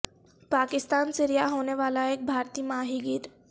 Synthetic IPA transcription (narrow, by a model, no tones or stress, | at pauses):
pakɪst̪aːnsɪɾijaɦoneʋalaeːk̚bʱaɾt̪iːmaɦiɡiːt̪